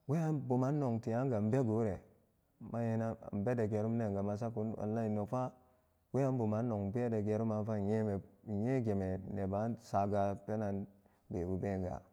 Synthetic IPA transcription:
we˦ja˦nbu˨ma˦nːo˨ŋti˨ja˦ŋɡa˨m̩˦be˦ɡo˨˦ɾe˨ | ma˦je˦na˦˨m̩˨be˦de˨ɡe˨ɾu˦m˦ne˨ɡa˨ma˨s̬a˦ku˦na̰˨lːa˦i˨nːo˨fa˦ | we˦a˦n˦bu˨ma˦nːo˨ŋ˨ba˦de˨ɡe˨ɾu˦ma˦fa˦˨je˦me˨je˦ɡe˨me˨ne˨ba˨˦sa˨ɡa˨te˦na˨n | be˨bu˨be˦˨ɡa̰˨

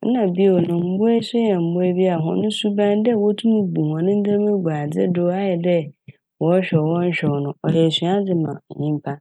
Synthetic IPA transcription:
n̩˦nã˨bi˦˨o˨nʊ̃˨m̩˦bʊ˦ɛ˦sʊ˦jɛ˨m̩˨bʊ˦ɛ˦bi˦a˨ɦʊ̰̃˦nʊ̃˦su˦bã˦ndɛ˦˨wɔ˦tʰũ˦mũ˦bu˨hɔ̃˨nɪ̃˦n̩˦d͡za˦mɪ̃˦ɡʷa˨d͡zɪ̰˦dʊ˦a˦jɛ˨dɛ˦ | wɔ˦ɕᶣɛ˨wɔ̃˦n̩˦ɕᶣɛ˨wnʊ̃˦ɔ˨hɛ˨si˨˦a˦d͡zɪ˨mã̰˨ɲĩ˦m˦pʰa˦

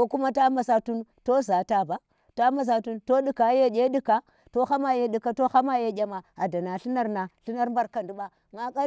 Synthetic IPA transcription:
o˦ku˦ma˦ta˦ma˨sa˨tu˦nto˦za˨ta˦ba˨˦ | ta˦ma˨s̬a˨tu˦nto˦di˦ka˨˦je˦ɗʲe˦di˦ka˦ | to˦xa˦ma˦je˦di˨ka˦to˦xa˦ma˦je˦ɡʲa˨ma˨a˨da˨na˨ɬi˦na˦ɾna˨ɬi˦na˦ɾmba˦ɾka˨ndu˨˦ɓa˦ | ŋa˦ka˦

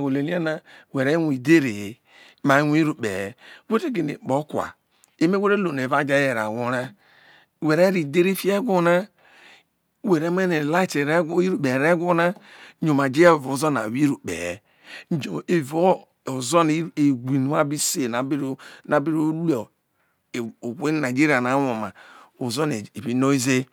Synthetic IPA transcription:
ɡo˨le˨li˦a˦na˦we˨ɾe˦wi˨de˦ɾe˨ | ma˨˦wʷi˦ɾu˨bḛ˨˦we˦te˦ɡe˨nḛ˨k͡po˦kwa̰˨ | e˦me˦we˦ɾe˦lo˨n˨e˨va˦d͡ʒa˦je˨ɾa̰˨wo˨ɾa˦ | we˨ɾe˦ɾi˨de˦ɾe˦fi˦e˦ɡʷo˦na˦ | we˨ɾe˦m˦e˦ne˨la˦i˦te˨ɾi˦ɾu˨be˨ɾe˦ɡo˦na˦ɲo˨ma˨d͡ʒe˦ja˦e˨vo˨˦zo˦na̰˨wi˦ɾu˨k͡pḛ˨ | o˨e˨vo˦ | o˨zo˦ni˦e˨ɡʷi˨nu˨˦a˦bi˦se˨na˨bi˦ɾna˨bi˦ɾo˦ɾu˦o˨ | o˨we˦na˨d͡ʒi˦ɾi˦a˨na˨˦wo˨ma̰˨o˨zo˦ne˨i˨βi˨˦no˦i˦ze˦

